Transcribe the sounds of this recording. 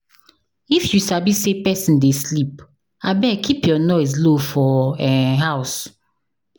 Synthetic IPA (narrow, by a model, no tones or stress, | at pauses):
ifjusabisepɛsĩndeslip̚ | abɛkʰipjɔnɔɪs̬lofɔɛɦaʊs